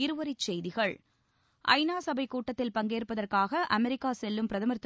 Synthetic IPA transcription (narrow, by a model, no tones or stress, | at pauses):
ɪɾɯʋɐɾɪt͡ʃːɛjðɪɣɐɭ | ʔɐ̰ɪnaːsɐbɐɪkːuːʈːɐt̪ːɪlpɐŋɡeːrpːɐðɐrkaːɣɐʔɐmɛɾɪkːaːsɛlːɯmpɪɾɐðɐmɐɾɪt̪ː